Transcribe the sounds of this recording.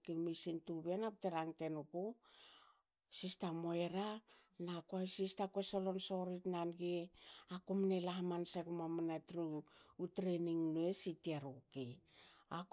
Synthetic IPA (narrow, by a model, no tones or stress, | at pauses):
kimisintuβenap̚teɾaŋte̞nuku | sistamoe̞ɾanakoajsistakwesolo̞nso̞ɾitnanɡeakumnelahmansekumamanatɾuutɾeniŋnuesitiaɾukiak